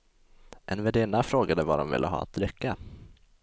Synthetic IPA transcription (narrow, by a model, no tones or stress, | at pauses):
ʔɛnvɛɖeːnafɾoːɡad̪əva̰ɖɔmvɪ̰lːʔəɦɑ̰ːa̰t̪ɾʏkːa